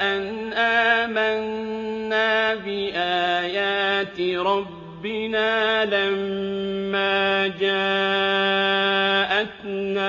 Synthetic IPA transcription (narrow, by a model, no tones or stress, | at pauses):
ʔanʔaːmanːaːbɪʔaːjaːt̪ɾˤɑbːɪnaːlamː | aːd͡ʒaː | ʔat̪naː